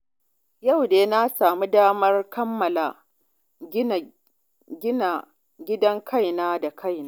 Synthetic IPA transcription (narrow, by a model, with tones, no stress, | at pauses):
ja˦˨wneː˨˦na˦saː˨mu˦daː˦mɐ˦rkɐ˦mːɐ˨la˨ | ɡʲɪ˦na˨ | ɡʲɪ˦dɐ˦ŋkʰa˦jnaː˦da˨kʰa˦˨jnaː˦